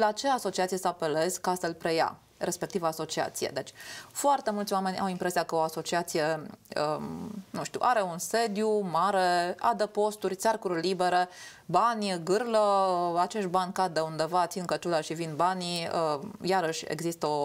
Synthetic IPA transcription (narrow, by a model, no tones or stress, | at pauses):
lat͡ʃe̞aso̞t͡ʃiat̪sijesəape̞le̞zkasəlpɾe̞ja̰ | ɾʔe̞spe̞kt̪ivaso̞t͡ʃia̰t̪sijḛd̪e̞t͡ʃʲfoart̪e̞mult̪sʲwame̞nʲa̰wimpɾe̞sijakəoaso̞t͡ʃiat̪sije̞ənũʃt̪ṵʔaɾe̞unse̞d̪jumaɾe̞a̰d̪epo̞st̪urʲt̪sʲarkuɾlibe̞ɾe̞ | banʲɡɨrləat͡ʃe̞ʃt̪̚banʲkad̪eund̪e̞vat̪sinkət̪ulaʃivinbaniəjaɾəʃʲḛɡzist̪əo̞